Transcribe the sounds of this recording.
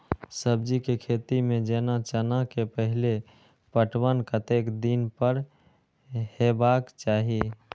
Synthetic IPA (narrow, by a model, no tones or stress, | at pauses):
səbd͡ʒikekʰet̪imẽd͡ʒenat͡ʃənakepəɦile | pəʈʰwənkət̪ekd̪inpəɾ | hebakt͡ʃaɦi